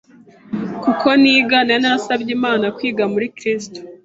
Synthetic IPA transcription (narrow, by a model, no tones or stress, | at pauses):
kukʰo̞niːɡananasabɟiːmaːnakwiːɡamuɾikɾiːsto̥